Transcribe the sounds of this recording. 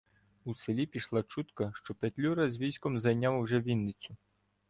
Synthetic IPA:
uselʲipʲiʃlˠɑt͡ʃut̪kɐʃt͡ʃɔpet̪ʲlʲuɾɐzʲʋʲisʲkɔmzɐjnʲawwʒɛʋʲinːɪt͡sʲʊ

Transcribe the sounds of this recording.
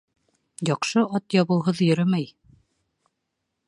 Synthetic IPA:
jɑqʃɤɑt̪jɑβɤ̆w̪ˠɦɤðjɵ̆ɾɘmæj

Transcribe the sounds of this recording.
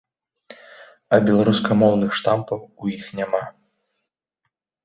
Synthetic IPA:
ɐbʲɛlˠaɾuskɐmɔwnɨxʂt̪ampɐwujixnʲama

